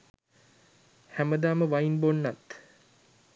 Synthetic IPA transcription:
hæməd̪aːməʋainbonːat̪

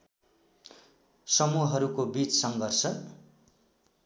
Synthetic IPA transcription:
sʌmuɦɦʌɾukobit͡ssʌŋɡʱʌrsʌ

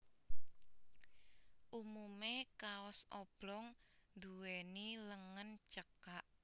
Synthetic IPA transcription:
ʔumumekaɔsɔb̥lɔŋnd̪uweniləŋənt͡ʃəkaʔ

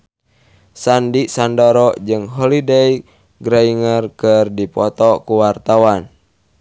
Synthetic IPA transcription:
sandisandɔɾɔd͡ʒɨŋɦɔlidɛi | ɡɾaiŋərkərdipɔt̪ɔkuwart̪awan

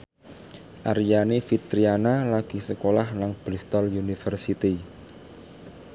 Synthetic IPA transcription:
ʔaɾijanefit̪ɾianalaɡ̥isəkolahnaŋb̥ɾist̪ɔljunifərsit̪i

